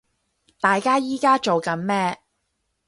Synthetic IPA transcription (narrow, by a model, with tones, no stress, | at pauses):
t̪aː˨jkaː˥jiː˨˥kaː˥t͡ʃo˨wkɐ˨˥nmɛː˥